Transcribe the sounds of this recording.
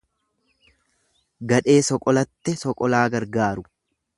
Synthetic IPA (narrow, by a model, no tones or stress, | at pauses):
ɡɐᶑe̞ːsɔkʼɔlɐt̪ːɛsɔkʼɔlaːɡɐɾɡaːɾʊ